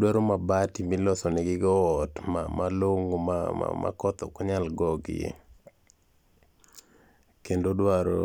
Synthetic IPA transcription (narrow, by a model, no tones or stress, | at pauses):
dwaɾomabatimilɔsɔnɛɡɪɡɔːtmamaloŋoma̰ma̰ma̰kɔt̪ɔ̰kɔɲalɡɔɡɪjḛ | kendodwaɾo̰